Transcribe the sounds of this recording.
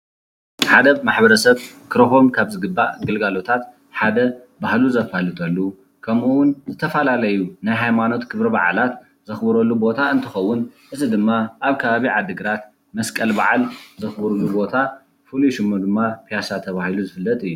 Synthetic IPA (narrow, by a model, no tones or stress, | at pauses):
ħad̪ɐmaħbɐɾɐsɐβ | kɨɾofo̞mkʰaβzɨɡɨbːa̰ʔɡɨlɡalo̞t̪ʰat̪ | ħad̪ɐ | bahluzɐfalɨt̪ʼɐlːu | kʰɐmuwʊnzɨt̪ʰɐfɐlalɐjunajɦajmano̞t̪kʰɨβɾɐba̰ʕa̰lat̪ | zɨxbɐɾɐlːubo̞t̪ʰaɨnt̪ʰɨxɐwːʊnʔɨzid̪ɨmːaʔaβkʰɐβaβiʕad̪ɨɡɨɾat̪ | mɐskʼɐlba̰ʕalzɨxbɐɾulːubo̞t̪ʰa | fɨluʃɨmːɐd̪ɨmːapʰijasat̪ʰːɐβahiluzɨfɨlːɐt̪ʼɨjːu